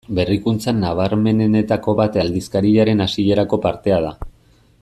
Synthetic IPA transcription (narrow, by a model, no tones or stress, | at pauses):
be̞rikunt͡sanːaβ̞aɾme̞ne̞ne̞t̪ako̞βat̪ald̪iskaɾiʎaɾe̞nasiʎe̞ɾako̞paɾt̪e̞að̞a